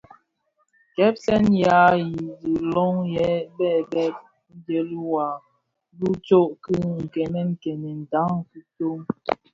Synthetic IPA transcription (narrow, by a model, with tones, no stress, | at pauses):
kɛ˦p̚sɛ˦nja˨˦ji˨zi˨lɔ˦ŋjɛ˨˦bɛ˦˨bɛ˦p̚ | n̩˦d͡ʒe˦li˦wa˨˦ | du˦t͡ʃo˦ʔki˦ŋ̩˨kɛ˨nɛ˦ŋ̩˦˨kɛ˨nɛ˨n̩˨ta˨˦ŋki˦to˦ŋ